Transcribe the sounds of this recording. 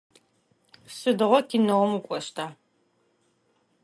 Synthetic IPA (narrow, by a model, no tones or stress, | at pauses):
sɨdɨʁʷɔkʰinɐwɔmukʷʼɔʃtʰaː